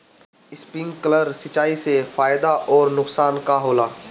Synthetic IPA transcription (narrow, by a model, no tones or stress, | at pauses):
ɪspɪ̃ŋɡkələɾsɪt͡ʃaːisefaːjd̪aʔɔːɾnʊksaːnkaɦoːlaː